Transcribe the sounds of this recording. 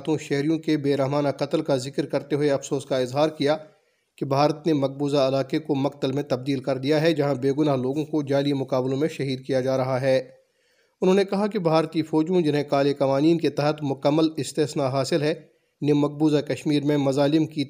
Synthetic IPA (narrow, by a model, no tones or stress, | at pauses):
t̪õʃɛɦɾijõkebeːɾɐɦmaːnaqɐt̪əlkazɪkɾkɐɾt̪eɦʊeɐfsoːskaɪzɦaːɾkija | kibʱaːɾət̪nemɐq̚buːzaɐlaːqekomɐq̚t̪əlmẽt̪ɐb̚d̪iːlkɐɾd̪ijaɦɛd͡ʒɐɦãbeːɡʊnaːɦloːɡõkod͡ʒaːlimʊqaːblõmẽʃɐɦiːd̪̚kijad͡ʒaːɾɐɦaɦɛː | ʊnɦõːnekɐɦakibʱaːɾt̪ifɔːd͡ʒõd͡ʒɪnɦẽkaːlekɐʋaːniːnket̪ɛɦət̪mʊkəmːəlɪst̪ɛːsnaɦaːsɪlɦɛ | nemɐq̚buːzakɐʃmiːɾmẽmɐzaːlɪmki